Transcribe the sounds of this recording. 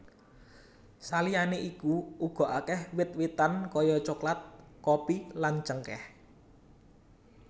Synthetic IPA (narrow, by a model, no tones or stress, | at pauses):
salijaneʔikuuɡ̥ɔ̤ʔakɛhwɪt̪̚wit̪ankɔjɔt͡ʃoklat̪̚kopilan̥t͡ʃəŋkɛ̰h